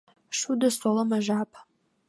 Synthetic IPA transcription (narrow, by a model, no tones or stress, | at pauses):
ʂudɐsʼɔlɐmaʒaːpʰ